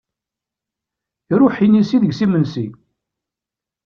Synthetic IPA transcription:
ɾʊħinisiðəɡsimənsi

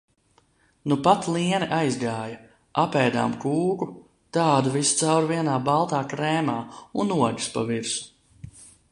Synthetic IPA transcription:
nupat̪lˠiɛniʔajzɡaːjɐ | apɛːd̪a̰ːmkuːɡu | t̪aːd̪uvist̪sawɾviɛnaːbalˠt̪aːkɾɛːmaːunuɔɡi̥spa̰viɾsu̥

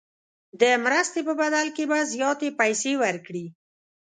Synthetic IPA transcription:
d̪əmɾəst̪epəbad̪alkebazjɑt̪epajsewəɾkɽi

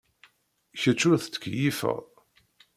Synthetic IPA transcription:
çət͡ʃːʊθt͡sːə̥kːjifə̰ʁ

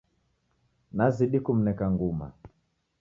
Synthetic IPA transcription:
naziɗikum̩nɛkaŋɡuma̰

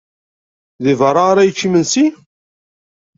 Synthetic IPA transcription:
ðivəɾˤaɾæjət͡ʃːimənsi

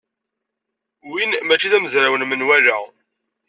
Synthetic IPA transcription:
winmæt͡ʃːiðæməzɾawənmənwælæ

